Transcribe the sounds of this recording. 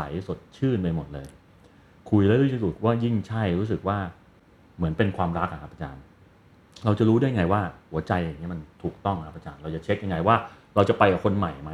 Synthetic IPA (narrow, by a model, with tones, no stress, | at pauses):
sa̰˩˦jso˨˩t̪̚t͡ɕʰɯː˥˩npa˧jmo˨˩t̪̚lɤː˧j | kʰu˧jlɛ˦˥ɾɯː˥˩t̪i˧˥˩su˨˩t̪̚waː˥˩ji˥˩ŋt͡ɕʰa˥˩jɾuː˦˥s̬ɯ˨˩k̚waː˥˩ | mɯ˩˦ənpe˧nkʰwaː˧mɾa˦˥k̚ʔa˨˩kʰa˦˥pːʔa˧t͡ɕaː˧m | ɾa˧wt͡ɕa˨˩ɾuː˦˥du˥˩ja˧ŋa˧jwaː˥˩hu˨˩˦ɐt͡ɕa˧jʔŋi˦˥ma˧nt̪ʰuː˨˩k̚t̪ɔ˥˩ŋkʰa˦˥pːʔa˧t͡ɕa̰ː˧nɾa˧wt͡ɕa˨˩t͡ɕʰe˦˥k̚ja˧ŋa˧jwaː˥˩ɾa˧wt͡ɕa˨˩pa˧jka˨˩kʰo˧nma˨˩jma˦˥